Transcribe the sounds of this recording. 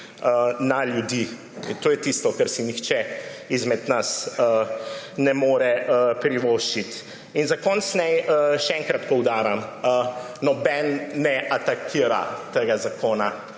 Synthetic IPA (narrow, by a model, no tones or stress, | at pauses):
ənaljud̪i | t̪oːjɛt̪ist̪ɔkəɾsinixt͡ʃɛizmɛd̪nasənɛmoːɾɛəpɾiʋoːʃt͡ʃit̪ | inzakɔːnsnɛjəʃɛɛŋkɾat̪pɔwd̪aːɾamə | nɔbɛnːɛʔat̪akʰiːɾa̰t̪eɡazakʰoːna